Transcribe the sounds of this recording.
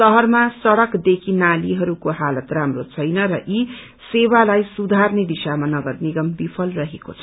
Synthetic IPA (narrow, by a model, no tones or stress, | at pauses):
sʌɦʌrmasʌɽʌkd̪ekʰinaliɦʌɾukoɦalʌt̪ramrot͡sʰʌjnʌɾʌʔi | sewalajsud̪ʱarned̪isamanʌɡʌrniɡʌmbipʰʌlrʌɦekot͡sʰʌ